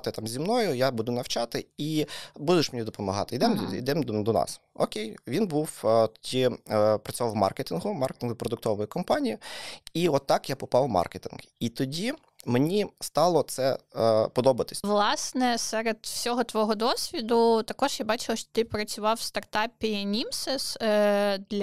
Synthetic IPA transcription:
t̪ɪt̪ɑmzʲimnɔjʊjabud̪ʊnɐwt͡ʃɑt̪ɪibud̪ʊʃmenʲid̪ɔpɔmɐɦɑ̰t̪ɪid̪ɛmḭd̪ɛmd̪ɔnɑ̰sɔ̰kʲejʋʲinbuwt̪ɔdʲipɾɐt͡sʲʊʋɑwmɑ̰rket̪ʲinɦʊmɑrket̪ʲinɦʊpɾɔd̪ʊk̚t̪ɔʋɔjʊkɔmpɑnʲijiiɔt̪ːɑkjapɔpɑwmɑ̰rket̪ʲinɡit̪ɔdʲi | menʲist̪ɑlˠɔt̪sɛpɔd̪ɔbɐt̪ɪ̥sʲʋlˠɑsnɛsɛɾed̪̥fsʲɔɦɔt̪ʋɔɦɔd̪ɔsʲʋʲid̪ʊt̪ɐkɔʒjabɑt͡ʃɪlˠɐʃt͡ʃɔ̥t̪ɪpɾɐt͡sʲʊʋɑwst̪ɐrt̪ɑpʲinʲimsɛs | d̪lʲ

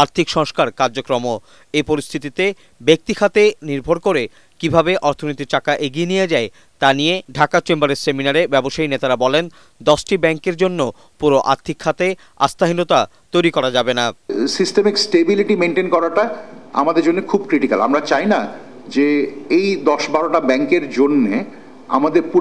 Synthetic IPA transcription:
aɾt̪ʰikʃɔŋskaɾkaɾd͡ʑokɾomo | epoɾist̪ʰit̪it̪e | bek̚t̪ikʰat̪eniɾbʱoɾkoɾe | kibʱabeʔɔɾt̪ʰonoijt̪iʈakaʔeɡienijed͡ʑae | t̪anijeɖʱakat͡ɕembaɾeɾseminaɾebɛboʃainet̪aɾabɔlen | d̪ɔʃʈibɛŋkeɾd͡ʑonːo | puɾoʔa̰ɾt̪ʰikʰːat̪e | a̰st̪aɦinot̪at̪ojɾikɔɾad͡ʑabenasisʈemiksʈebiliʈimeɳʈenkɔɾaʈaa̰mad̪eɾd͡ʑonːekʰubkɾiʈika̰la̰mɾat͡ɕajna | d͡ʑeejd̪ɔʃbaɾoʈabɛŋkeɾd͡ʑonːe | a̰mad̪eɾpu

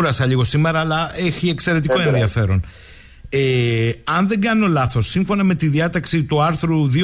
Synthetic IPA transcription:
ɾɐsɐʎiɣo̞sime̞ɾɐːlɐeçie̞kse̞ɾe̞t̪ikoenðiɐfe̞ɾo̞n | eɐnðe̞ɡɐno̞lɐθo̞sːiɱfo̞nɐme̞t̪iðiɐt̪ɐksit̪uɐɾθɾuði

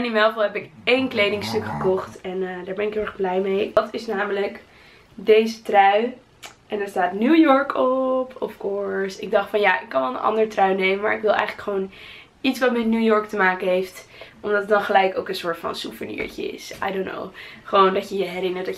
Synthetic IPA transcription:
ɛnɪmɛlˠvlˠɦɛpɪkejnklejdɪŋstɵkχəkɔχtɛnədaːɹbɛnɪkɦɪʊɛχblɛjmejʋɑtɪsnaːmələk | dejzətrœɥ | ʔɛndɛːɹstaːtnuːjɔɹkʰɔpʰɔfkɔɹsɪɡ̚dɑχtfɑnjaːʔɪkːɑnʋɛlˠənʔɑ̰ndəɹtrœɥnejmənma̰ːɹɪkʋɪlˠɛ̰jχələkχʋown | itsʋɑtmɛtnuːjɔɹk̚təmaːkənɦejft | ʔɔmdɑtədɑnχəlɛjkowkə̃nsʊːɹtfɑ̰nsuvənḭːɹcə̰ɪ̰sa̰jdonːo̰wχəʋowndɑcjəjəɦɛɾɪnətdɑ

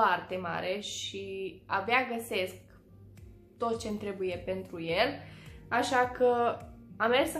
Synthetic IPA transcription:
art̪e̞ma̰ɾe̞ʃia̰baɡəse̞sk | t̪o̞t̪̚t͡ʃe̞nt̪ɾe̞buje̞pe̞nt̪ɾuje̞laʃakʰəamːe̞rs

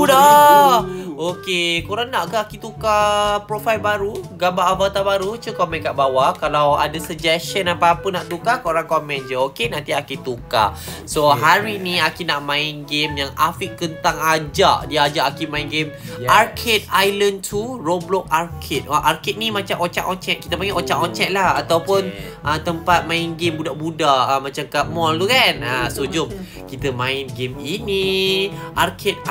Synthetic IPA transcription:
uda | okekoɾaŋnaʔkaakit̪ukapɾofajlbaɾuɡambaʔːvat̪abaɾut͡ʃəkomɛ̃nkaʔbawakalawa̰dasəd͡ʒɛsʃənapaːpənaʔt̪ukakoɾaŋkomɛ̃nd͡ʒəokenãnt̪iakit̪uka̰soɦaɾinĩakinaʔmãinɡemjaŋafiʔkənt̪aŋad͡ʒaʔdiəad͡ʒaʔakimãinɡemarkʰet̪̚ajlənt̪ʰuroblɔk̚arkʰɛt̪̚aʔarkɛt̪̚nimãt͡ʃamʔot͡ʃa̰kɔnt͡ʃɛt̪̚ki̥t̪əpaŋeʔot͡ʃaʔɔnt͡ʃɛt̪̚lahat̪awpʊn | ʔət̪əmpat̪̚mãɪnɡembudaʔbudaʔəmãt͡ʃamkaʔmɔlt̪ukanəsud͡ʒʊm | kit̪əmãɪnɡemini | ʔarkʰet̪̚

